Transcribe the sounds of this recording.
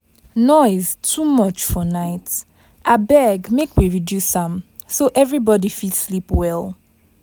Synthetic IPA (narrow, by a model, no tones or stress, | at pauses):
nɔɪz̥tʰumʌt͡ʃfɔnaɪt | ʔabɛɡmekwiɹidjusãm | soʔɛvɹibɔdifitslipwɛlˠ